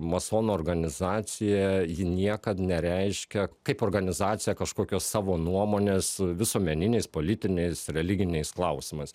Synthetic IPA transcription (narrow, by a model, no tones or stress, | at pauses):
mɐsoːnoːrɡɐnʲɪzɑːt͡s̪ʲɪjɛjɪnʲiɛkɐt̪nʲɛɾʲɛɪʃʲkʲɛkɐɪpoːrɡɐnʲɪzɑːt̪sʲɪjɛkɐʃkoːkʲoːssɑːʋoːnuɔmoːnʲeːsʋʲɪsoɔmʲɛnʲɪnʲɛɪspoːlʲɪt̪ʲɪnʲɛɪsɾʲɛlʲɪɡʲɪnʲɛɪsklˠɐʊsʲɪmɐɪs